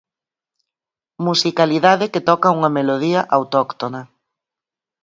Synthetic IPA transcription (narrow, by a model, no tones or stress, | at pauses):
musikaliðaðɪket̪ɔkɐuŋɐmeloð̞iɐʔawt̪ɔkt̪onɐ